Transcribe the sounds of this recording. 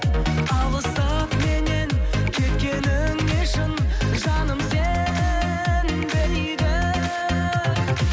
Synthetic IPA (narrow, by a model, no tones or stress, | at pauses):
ɑlˠəsəpme̞ne̞nkʲʰe̞t̪kʲe̞nɪŋɪʃɪnʒɑnəmse | n | bɪl | d̪ɪ